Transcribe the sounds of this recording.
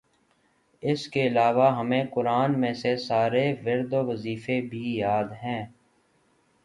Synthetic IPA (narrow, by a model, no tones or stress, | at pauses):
ɪskeɪlaːʋaɦəmẽkʊɾaːnmẽsesaːɾeʋɪɾd̪oʋəziːfebʱijaːd̪ɦɛ̃ː